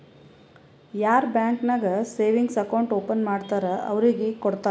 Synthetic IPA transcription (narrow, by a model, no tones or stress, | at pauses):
jaːɾbjaːŋknaɡɐseːʋiŋɡsɐkɐwɳʈoːpɐnmaːɖt̪aːɾɐʔɐ̰ʋɾiɡekɔɽt̪aː